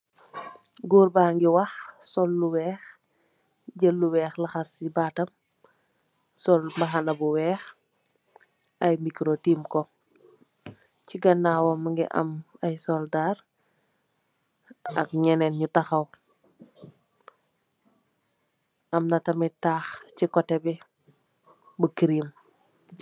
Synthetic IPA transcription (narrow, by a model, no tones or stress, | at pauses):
ɡuːɾbaːŋɡiwɐxsɔlːuwɛːx | ɟəlːuwɛːxlɐxɐsibatɐm | sɔlmɐxɐnɐbuwɛːx | ɐjmikɾotimkɔ | ciɡɐnːaːwɔmːɐŋɡḭʔɐ̰mɐjsɔldaːɾ | ɐ̰k̚ɲɛnɛnɲutɐxɐw | ʔɐmnɐtɐmitaːxcikɔtɛbi | bukiɾim